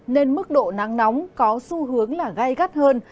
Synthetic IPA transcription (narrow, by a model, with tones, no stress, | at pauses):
ne˧nmɨ˦˥k̚ɗo̰˧˨na˨˦ŋna˨˦wŋ͡mkɔ˨˦su˧ɦɨ˨˦əŋlaː˨˩ɣa˧jɣa˦˥t̚həː˧n